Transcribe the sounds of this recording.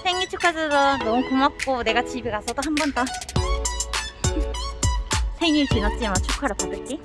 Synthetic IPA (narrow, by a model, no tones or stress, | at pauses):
sʰeŋit͡ɕʰukʰad͡ʑʌdʌnʌmukomak̚k͈one̞ɡat͡ɕibiɡasʰʌdoɦambʌnt͈ʌ | sʰeŋikinʌt͡ɕ͈imat͡ɕʰukʰaɾɯpadɯɭ̚t͡ɕ͈i